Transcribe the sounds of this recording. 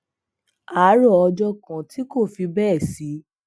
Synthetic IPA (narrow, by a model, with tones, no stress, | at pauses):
a˨˦ɾɔ˦˨ɔ˧d͡ʒɔ˦kã˨ti˦ko˦˨fi˧bɛː˦˨si˨˦